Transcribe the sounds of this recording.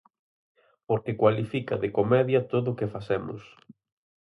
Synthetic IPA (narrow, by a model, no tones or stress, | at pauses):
poɾkɪkwalifikɐ̰ðekomɛðjɐt̪oðʊkefasɛmʊ̰s